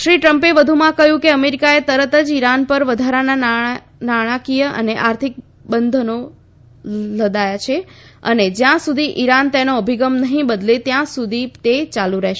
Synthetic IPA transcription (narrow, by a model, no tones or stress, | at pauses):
ʃɾiʈɾəmpeʋəd̪ʱumãkəɦjũkeəmeɾikaet̪əɾət̪əd͡ʒiɾanpəɾʋəd̪ʱaɾana | naɽ̃ãkijəʔə̰neʔaɾt̪ʰik̚ | bənd̪ʱəno | ləd̪ajat͡ʃʰeə̰ned͡ʒjãsud̪ʱiʔiɾant̪enoəbʱiɡəmnəɦĩbəd̪let̪jãsud̪ʱit̪et͡ʃaluɾɛɦʃ